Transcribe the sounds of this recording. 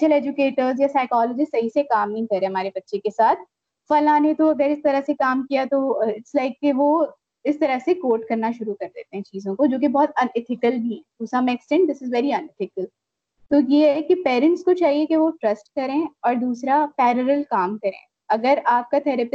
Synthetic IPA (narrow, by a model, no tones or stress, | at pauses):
t͡ʃʰəlɛːd͡ʒʊkeːʈəɾzjasaːɪkɔːləd͡ʒisɐɦisekaːmnɐɦĩkɐɾːeɦɐmaːɾebɐtːʃekesaːt̪ʰ | fɐlaːnet̪oɐɡəɾɪst̪ɐɾəɦsekaːmkijat̪oɪʈslaɪkːeʋo | ɪst̪ɐɾəɦsekoːʈkɐɾnaʃʊɾukɐɾd̪ḛːt̪eɦɛ̃t͡ʃiːzõkod͡ʒoːk̬ebɔːt̪ɐnɪt̪ʰɪkəlbʱiɦɛːʊsãmɛksʈɛ̃ɳʈ̚d̪ɪsɪzʋɛːɾiɐ̃nɪt̪ʰɪkəl | t̪oːjeɦɛkipeːɾə̃ɳʈskot͡ʃaːɦiekeʋoʈɾɐsʈ̚kɐɾẽɔːɾd̪uːsɾapɛːɾəɾəlkaːmkɐɾḛ̃ː | ɐɡəɾaːp̚kat̪ʰɛːɾəpɪ